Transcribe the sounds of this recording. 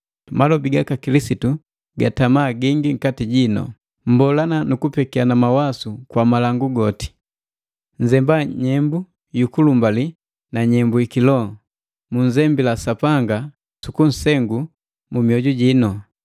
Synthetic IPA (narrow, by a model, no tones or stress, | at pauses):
malɔbiɡakakilisitu | ɡatamaːɡiŋɡiŋ̩katiɟinɔ̰ | m̩bɔlananukupɛkianamawasukwamalaŋɡuɡɔti̥ | ɲd͡ʒɛmbaɲɛmbu | jukulumbali | naɲɛmbuikilɔ | muɲzɛmbilasapaŋɡa | sukun̩sɛŋɡu | mumiɔɟuɟinɔ